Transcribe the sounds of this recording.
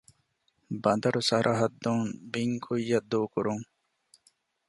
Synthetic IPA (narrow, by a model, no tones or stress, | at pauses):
bɐnd̪ɐɾusɐɾʔɐɦɐd̪ːuːnbiŋkʰujːɐd̪ːuːkuɾuŋ